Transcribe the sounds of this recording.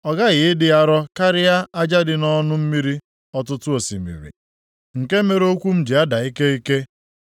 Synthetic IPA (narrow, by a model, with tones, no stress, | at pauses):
ɔ˨ɡa˦ɣɪ˨ɪ˦dɪ˦a˦ɾɔ˦ka˦ɾɪ˦a˦a˦d͡ʒa˦dɪ˦nɔ˦nʊ˦m̩˦mi˦ɾi˦ | ɔ˦tʊ˦tʊ˦o˨sḭ˨mḭ˨ɾḭ˨ | ŋ̩˨ke˦me˦ɾo˦kʷu˦m̩˦d͡ʒi˨a˦da˨i˦ke˦i˦ke˦